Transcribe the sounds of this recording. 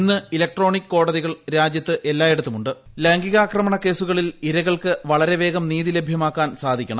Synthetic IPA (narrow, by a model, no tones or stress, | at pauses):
inːɨilɐk̚ʈro̞ːɳikːɨko̞ːɽɐðiɣɐɭɾaːd͡ʑjɐt̪ːɨʔe̞lːaːje̞ɽut̪ːumuɳɖɨ | leːŋɡiɣaːkrɐmɐɳɐke̞ːsuɣɐɭiliɾɐɣɐɭkɨʋɐɭɐɾe̞ʋe̞ːɡɐmniːðile̞bʱjɐmaːkːaːnsaːd̪ʱikʲːɐɳɐ